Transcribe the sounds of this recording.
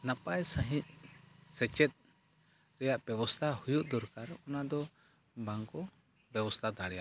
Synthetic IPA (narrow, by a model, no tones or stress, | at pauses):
napajsə̃ɦit̪̚sɛt͡ʃɛt̪̚ˀ | ɾɛjaʔb̥ɛbɔst̪ʰahujuʔd̪ɔɾkaɾɔnad̪ɔ | baŋkɔ | bɛbɔst̪ʰad̪aɽɛja̰ʔ